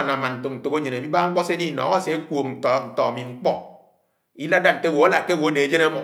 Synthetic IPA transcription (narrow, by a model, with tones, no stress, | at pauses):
na˨ma˨nn̩˨to˨n̩˨to˨˦o˦ɲe˨ne˨bi˦ba˦ŋ͡m̩˦k͡pɔ˦se˦di˦˨nɔ̰ː˨ɣa˦se˦e˦kʷo˨kn̩˨tɔ˨n̩˨tɔ̰ː˨a˨mi˨ŋ͡m̩˦k͡pɔ˦ | i˦la˦da˦ŋ̩˨ke˦˨wo˨a˦la˨ke˦˨wo˨a˦ne˨˦d͡ʒe˦na˦mɔ˨